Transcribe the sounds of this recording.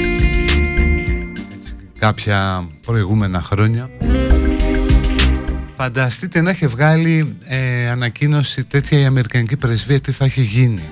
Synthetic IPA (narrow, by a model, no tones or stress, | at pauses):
se̥ | kɐpçɐpɾo̞iɣume̞nɐxɾo̞ɲɐ | fɐnd̪ɐst̪it̪e̞nɐiçevɣɐli | ɐnɐcino̞sit̪e̞t̪çɐiɐme̞ɾikɐnicipɾe̞zviɐt̪iθɐiçeʝini